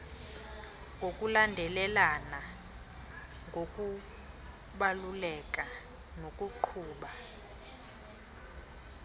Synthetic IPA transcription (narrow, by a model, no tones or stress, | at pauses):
ŋʱokʼulandʱɛlɛlana | ŋʱokʼu | ɓalulɛk̬ʼa | nokʼuǃʰuːɓa